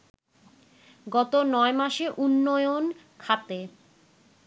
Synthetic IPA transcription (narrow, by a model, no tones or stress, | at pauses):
ɡɔt̪onɔemaʃeʔunːojon | kʰat̪e